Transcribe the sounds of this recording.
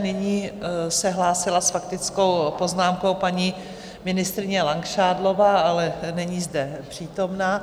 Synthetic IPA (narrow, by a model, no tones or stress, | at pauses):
nɪɲiːsɛɦlaːsɪlasfak̚t̪ɪt͡sko̞wpo̞znaːmko̞wpaɲi | mɪnɪst̪ɾɪɲɛlaŋkʃaːdlo̞vaːʔalɛnɛɲiːzdɛpr̝̥iːt̪o̞mnaː